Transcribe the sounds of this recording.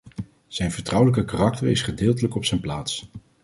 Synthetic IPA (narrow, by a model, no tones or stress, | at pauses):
z̥ɛjnvəɹtrʌwləkəkarɑk̚təɹɪsχədɪːlˠtələkɔpsɛjnplaːts